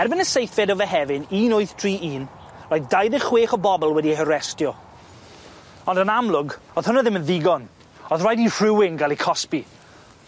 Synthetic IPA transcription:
ɛrbɪnəsejfɛdɔvɛɦɛvɪniːnoɨθtʰriːʔiːn | rajðdajðɪ̥χweːχɔbɔbɔlˠwɛdieɦəɾɛstjɔ | ɔndənamlˠʊɡɔð̥hʊnəðɪmənðɪɡɔn | ɔðrajdir̥ɪwɪŋɡalˠikʰɔspi

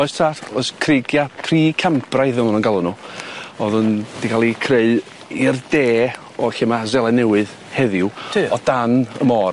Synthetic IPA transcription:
ɔɨstʰarɔɨskʰreɡjapʰriːkʰamprajθɛmˠanənɡalˠʊnuɔðʊnd̥ikʰalˠikʰreɨð | irdeː | ɔɬɪmazɛlˠɛnɛwɨð | hɛðɪʊɔd̥anə̰mɔːr

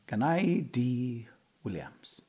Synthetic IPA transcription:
ɡ̥anajdi | wɪlja̰mz̥

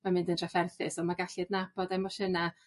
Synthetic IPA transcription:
mamɪndəndʰrafɛrθɪsɔmaɡaɬɪdnabɔdɛmɔʃəna

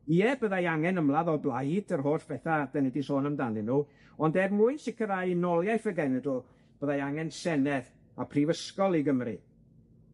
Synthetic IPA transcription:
iɛbəðajaŋɛnəmlˠaðɔblˠajd̥ərɦoːθv̥ɛθad̥ɛnɛdisoːnəmdanɪnu | ɔndɛrmʊːjnsɪkʰəðajnɔlˠjajfəɡɛnɛdlˠ | b̥əðajaŋɛnsɛnɛð | apʰriːvəskɔlˠiɡəmrḭ

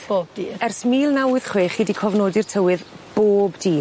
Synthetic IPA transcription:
b̥oːbdiːɛrsmiːlˠnawɨð̥χweːχiːdikʰɔvnoːdɨrtʰəwɨð | b̥oːbdiː

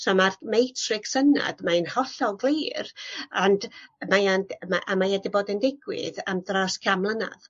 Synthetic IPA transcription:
somarmejtʰrɪɡsəna̰d̥maɨnhɔɬɔlˠɡlˠeːrandmajanmaʔamaɛdɪboːdəndɪɡwɪ̰ðamdraskʰamlˠəna̰ð

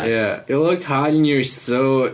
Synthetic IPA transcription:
jæɪtˡlʊk̚t̚hɑɾ̃n̩jə̥˞soʊ

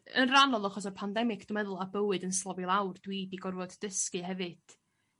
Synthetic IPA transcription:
ə̰nranɔlˠɔχɔs̬ɔrpʰandɛmɪkʰd̥ɔmɛðʊlˠabəwɨdənslˠɔvilˠawrd̥wiːdiɡɔrvɔdd̥əskɨɦɛvɨd̥

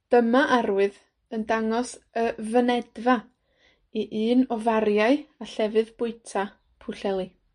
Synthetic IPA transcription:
d̥əmaʔarwɨð | əndaŋɔsəvənɛdva | iʔɨːnɔvarjaɨaɬɛvɨðb̥ʊɨtʰa | pʰʊɬɛlˠi

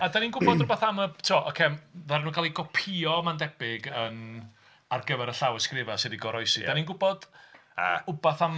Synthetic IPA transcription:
adaninɡʊbɔdrʊbaθaməb̥tʰuɔʔɔkʰemðarnuːnkʰalˠiɡɔpʰiɔmandɛbɪɡən | arɡəvɛɾəɬawəskrɪvasɪdiɡɔɾɔjsidaninɡʊbɔd̥a̰ʊbaθam

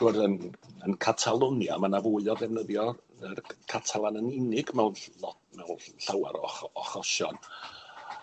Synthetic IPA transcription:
d̥ʊrðənənkʰatʰalˠɔnja̰manavʊɨɔðɛvnəðjɔərkʰatʰalˠanənɪnɪɡmɛwnɔ | mɛwnɬawa̰ɾɔ̰ɔχɔʃɔ̰n

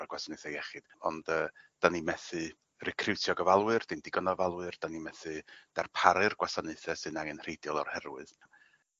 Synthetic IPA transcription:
aɡwasanɨθɛjɛχɨd̥ɔ̰ndəːd̥animɛθɨ | rɛkʰrɪwtʰjɔɡəvalˠwɨrd̥indɪɡɔnɔvalˠwɨrd̥animɛθɨd̥arpʰaɾɨrɡwasanɨθɛsɨnaŋənr̥ejdjɔlˠɔ̰rhɛɾwɨð

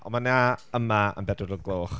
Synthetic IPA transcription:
ɔ̰manaəmaə̰mbɛdʊɾəlˠɡlˠoːχ

